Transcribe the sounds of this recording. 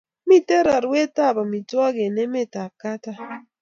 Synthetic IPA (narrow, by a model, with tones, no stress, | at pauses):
mi˦te˦ɾa˨ɾwe˦ta˦˨ba˨mi˨twɔ˦ɡe˨nɛ˦mɛ˦ta˨ka˦ta˦